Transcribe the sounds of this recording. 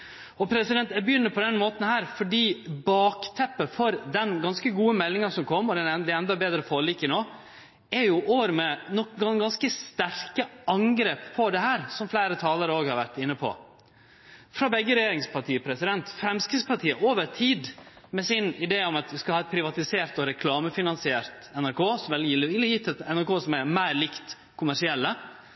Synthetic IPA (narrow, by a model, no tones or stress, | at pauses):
ɔpʰɾɛsɪd̪ɛnt̪ɛbəjʏnːəpʰɔd̪ɛnmoːt̪n̩hæːɾfɔɖiːbɑːkt̪ʰɛpːəfɔɾd̪ɛnɡɑnskəɡuːəmɛlːɪŋɑʂɔmkʰɔmːɔd̪ɛnd̪ɛɛnd̪ɑbeːd̪ɾəfoːɾɭɪkənoː | ɛɾjʊʔoːɾmɛnɔkɡɑnɡɑnskəst̪æɾkəɑŋɡɾeːppʰɔd̪ɛhæːɾsɔmflæːɾət̪ʰɑːləɾəoːɡhɑɾʋæɾʈ̪ɪnːəpʰɔ̰ | fɾɑbɛɡːəɾɛjeːɾɪŋspʰɑʈʰiːpʰɾɛsɪd̪ɛnt̪fɾɛmskɾɪspʰɑʈʰiːəʔoːʋəɾt̪ʰiːd̪mɛsɪnɪd̪eːɔmɑt̪ʋɪskɑhɑːɛt̪̚pʰɾɪʋɑt̪ɪseːɾt̪ɔɾɛkʰlɑːməfɪnɑnsɪeːɾt̪ɛnæɾkʰoːsɔmʋɛlɪlːjɪt̪ʰɛnæɾkoːsɔmæɾmæɪɾlɪkt̪ | kʰʊmæʂɪɛlːə